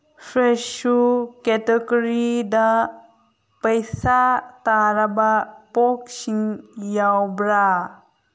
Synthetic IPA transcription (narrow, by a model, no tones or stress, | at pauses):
fʰɾesukɛteɡɔɾida | pəjsataɾabapɔk̚siŋjawbɾa